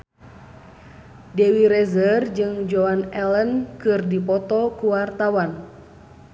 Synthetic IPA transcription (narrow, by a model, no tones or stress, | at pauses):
dewiɾɛzərd͡ʒɨŋd͡ʒɔanɛlənkɨrdipɔt̪ɔkuwart̪awan